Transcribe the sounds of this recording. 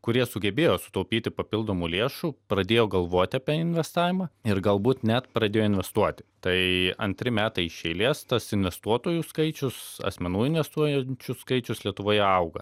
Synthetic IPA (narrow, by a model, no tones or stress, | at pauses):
kʊɾʲiɛsʊɡʲɛbʲeːjoːsʊ̥t̪ɐʊpʲiːt̪ʲɪpɐpʲɪlˠd̪oːmuːlʲeːʃuːpɾɐd̪ʲeːjoːɡɐlˠʋoɔt̪ʲɪɐːpʲiɛɪnʲʋʲɛst̪ɑːʋʲɪmɐɪɾɡɐlˠbuːt̪nʲɛt̪pɾɐd̪ʲeːjoːɪnʲʋʲɛst̪uɔt̪ʲɪ̥t̪ɐɪɐ̰nʲt̪ʲɾʲɪmʲæːt̪ɐɪɪʃʲɛɪlʲeːst̪ɐsɪnʲʋʲɛst̪uɔt̪oːjuːskɐɪt͡ʃʲʊsɐ̰sʲmʲɛnuːɪnʋʲɛst̪uɔjɛnʲt͡ʃʲʊskɐɪt͡ʃʲʊslʲiɛt̪ʊʋoːjɛɐʊɡɐ